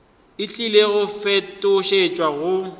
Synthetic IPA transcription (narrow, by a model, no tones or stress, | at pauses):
ɪt͡ɬʼileɣʊfɛtʼʊʃet͡ʃʼwaɣʊ